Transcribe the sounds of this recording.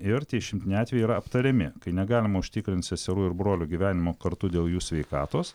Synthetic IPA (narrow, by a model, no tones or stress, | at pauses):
ɪɾt̪ʲiɛʃʲɪmʲt̪ʲɪnʲɛjɑːt̪ʲʋʲɛjɪiːɾɐɐpt̪ɐɾʲɛmʲɪkɐɪnʲɛɡɑːlʲɪmɐʊʃʲt̪ʲɪkɾʲɪnt̪ʲsʲɛsʲɛɾuːɪɾbɾoːlʲuːɡʲiʋʲæːnʲɪmoːkɐɾt̪ud̪ʲeːlˠjuːsʲʋʲɛɪkɑːt̪oːs